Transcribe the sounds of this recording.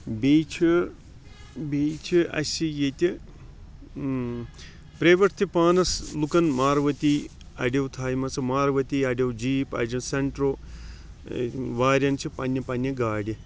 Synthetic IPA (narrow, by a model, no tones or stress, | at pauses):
biːt͡ʃʰi | biːt͡ʃʰiɐ̰sʲijet̪ʲi | pɾeʋɐɾt̪ʰipaːnɐslukɐnmaːɾʋɐt̪iː | ɐ̰ɖɐwt̪ʰaːjmɐt͡sʰɐmaːɾʋɐt̪iɐɖʲjɐwd͡ʒiːpɐ̰d͡ʒɐnseɳʈɾoː | ʋaːɾʲjɐnt͡ʃʰipɐnːɐpɐnːɐɡaːɽʲi